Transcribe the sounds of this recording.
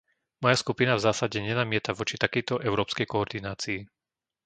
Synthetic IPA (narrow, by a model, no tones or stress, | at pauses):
mɔjaskupinavzaːsaɟɛɲɛnamɪɛt̪aʋɔt͡ʃit̪akɛjt̪ɔʔɛʊɾɔːpskɛjkɔɔɾd̪inaːt͡siː